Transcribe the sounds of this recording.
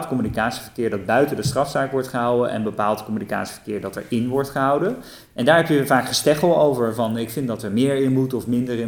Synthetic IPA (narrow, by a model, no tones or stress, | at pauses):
tkɔmynikaːtsi̥və̥ɹkɪːɹdɑd̚bœɥtəndəstrɑfsaːkʋɔɹtχəɦɑwəʔɛ̰nbəpaːlˠtkɔmynika̰ːtsi̥v̥ə̥ɹkɪːɹdɑtɛ̰ɹɪnʋɔɹtχəɦɑwdə | ʔɛndaːɹɦɛpjəvaːkχəstɛχəlˠowvəɹvɑnɪkfɪndɑtəɹmɪːɹɪnbutɔfmɪndəɹɪ